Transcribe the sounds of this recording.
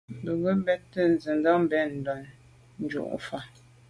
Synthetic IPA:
bə˨ɡə˦bɛ˦tːə˦˨n̩˨zə˨n˦dɔ˦m˦bɛ˦˨n̩˨dɔ˨n | n̩˨˦d͡ʒṵ˦˨ʔfa˨

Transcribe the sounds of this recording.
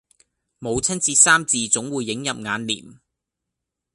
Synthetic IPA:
mo˨˧wt͡sʰɐ˥nt͡siː˧saː˥mt͡siː˨˧t͡sʊ˨˥ŋwuː˨˧jːɪ˨˥ŋjɐ˨p̚ŋaː˨˧nlḭː˨˩m

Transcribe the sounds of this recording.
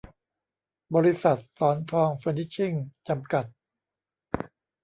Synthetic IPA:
bɔː˧ɾi˦˥sa˨˩t̪̚sɔː˩˦nt̪ʰɔː˧ŋfaː˧ni˦˥t͡ɕʰi˥˩ŋt͡ɕa˧mka˨˩t̪̚

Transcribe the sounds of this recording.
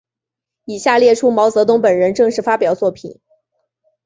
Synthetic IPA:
i˨˩ɕja˥˧ljɛ˥˩ʈ͡ʂʰu˥mɑ˧˥ʊt͡sɤ˧˥t̪̬ʊ˥ŋpə˨˩nɻə˧˥nʈ͡ʂɤ˥˧ŋʂɻ̩˥˩fa˥pjɑ˨˩ʊt͡swɔ˥˩pʰḭ˨˩˦n

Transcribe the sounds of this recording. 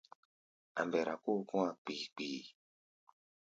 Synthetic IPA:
a̰˨mbɛ˨ɾa˨ku˦kũ˦a˨k͡pi˨k͡piː˨

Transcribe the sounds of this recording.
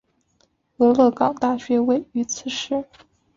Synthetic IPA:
ɤ˧˥lɤ˥˧kɑ˥ŋt̪a˥˩ɕɥɛ˧˥we˥˩ɪy˧˥t͡sʰɹ̩˥˩ʂɻ̩˥˩

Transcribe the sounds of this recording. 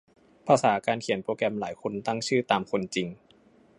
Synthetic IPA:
pʰaː˧saː˩˦kaː˧nkʰi˨˩˦npɾoː˧kɾɛ˧mlaː˩˦jkʰo˧nt̪a˥˩ŋt͡ɕʰɯː˥˩t̪aː˧mkʰo˧nt͡ɕi˧ŋ

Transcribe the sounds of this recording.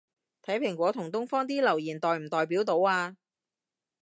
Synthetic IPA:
t̪ʰɐ˨˥jpʰɪ˨˩ŋkʷwɔː˨˧˥t̪ʰʊ˨˩ŋt̪ʊ˥ŋfɔː˥ŋt̪iː˥lɐ˨˩wjiː˨˩nt̪ɔː˨jm̩˨˩t̪ɔː˨˧jpiː˨˥wt̪o˨˧˥waː˧

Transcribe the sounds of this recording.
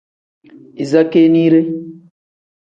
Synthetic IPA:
i˨za˦ke˦ni˦ɾe˦

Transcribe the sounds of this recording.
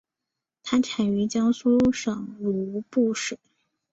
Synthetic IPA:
t̪ʰa˥ʈ͡ʂʰa˨˩y˧˥t͡ɕjɑ˥ŋsu˥ʂɤ˨˩ŋlu˧˥pu˥˧ʂɻe˨˩˦

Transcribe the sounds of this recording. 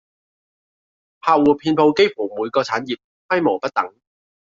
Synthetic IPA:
hʰaː˨˧wuː˨˩pʰiː˧npʰo˧wke˥jfu˨˩muː˨˧jkɔː˧t͡sʰaː˨˥njiː˨˩p̚ | fʰɐ˥jmo˨˩pɐ˥t̚t̪ɐ˨˥ŋ

